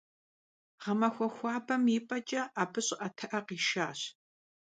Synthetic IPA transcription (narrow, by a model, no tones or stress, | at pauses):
ʁɐmɐxʷɔxʷɑːbɐmiːpʼɐt͡ʃʼɐʔaːbɨɕʼʔɐtʰɐʔɐqiːʃaːɕ